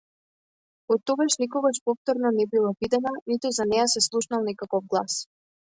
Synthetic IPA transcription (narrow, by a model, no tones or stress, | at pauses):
ɔt̪ːɔɡaʃnikɔɡaʃpɔft̪ɔɾnɔnɛbilˠavid̪ɛnanit̪uzanɛjasɛslˠuʃnalˠnɛkakɔvɡlˠas